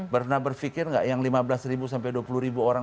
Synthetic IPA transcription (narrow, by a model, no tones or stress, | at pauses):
pərnabərfikɪrŋɡa̰ʔjaŋlimabəlasɾibusampajduapuluɾibuoɾa